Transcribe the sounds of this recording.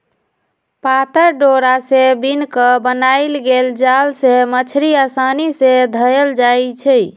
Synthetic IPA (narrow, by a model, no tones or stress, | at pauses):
pat̪əɾɖoɾasẽbinkəbənajlɡeld͡ʒalsemət͡ʃʰɾiasanised̪ʱəjəld͡ʒajt͡ʃʰɛ